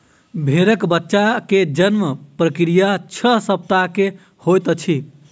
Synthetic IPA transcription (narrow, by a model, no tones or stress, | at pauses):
bʱeɾəkbətːʃaked͡ʒənməpɾəkɾijat͡ʃʰəsəp̚t̪ake | hojt̪ət͡ʃʰi